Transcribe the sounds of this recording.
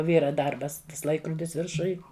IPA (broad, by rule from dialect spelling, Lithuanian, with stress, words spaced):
ˈʋʲiːrɐ ˈdɐrbɐs ˈtɐs ˈlˠɐɪkrʊdʲɪs ʋʲɪrˈʃʊj